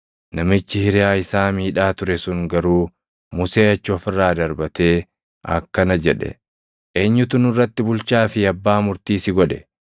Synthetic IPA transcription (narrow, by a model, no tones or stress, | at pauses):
nɐmɪt͡ʃːɪhɪɾɪjaːɪsaːmiːᶑaːt̪ʊɾɛsʊŋɡɐɾuː | mʊse̞ːɐt͡ʃːʊɔfɪrːaːd̪ɐɾbɐt̪e̞ː | ʔɐ̰kːɐnɐd͡ʒɛᶑɛ̰ | eːɲːʊt̪ʊnʊrːɐt̪ːɪbʊlt͡ʃaːfɪɐbːaːmʊɾt̪iːsɪɡɔᶑɛ